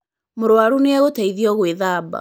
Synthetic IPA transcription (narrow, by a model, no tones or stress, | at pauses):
moɾwaɾuneaɣotaiðiɔɣweðaːba̰